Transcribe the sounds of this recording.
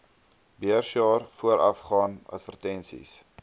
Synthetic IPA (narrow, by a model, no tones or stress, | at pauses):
biərʃjɑːrfuəɾʔɐ̰fχɑːnɐ̰tfərtɛnsḭs